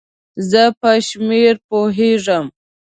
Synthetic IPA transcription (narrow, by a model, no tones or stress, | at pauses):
zəpəʃmeɾpoɦeʐəm